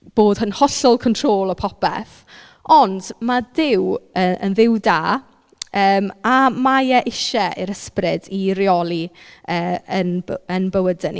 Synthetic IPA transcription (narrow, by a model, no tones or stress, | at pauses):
b̥oːd̥hənhɔɬɔlˠkʰɔntʰroːlˠɔpʰɔpʰɛ̰θ | ɔndmadɪwəə̰nðɪwdaː | əːmamajɛʔɪʃɛʔɪɾəsprɪdiɾjɔlˠiəːənənbəwədənḭ